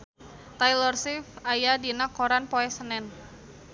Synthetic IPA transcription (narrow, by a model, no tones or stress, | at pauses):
t̪ajlɔrsifajadinakoɾanpoɛsənɛn